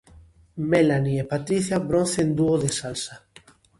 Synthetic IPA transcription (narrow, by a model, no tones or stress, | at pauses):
melaniepat̪ɾiθjabɾõnθend̪uoðesalsa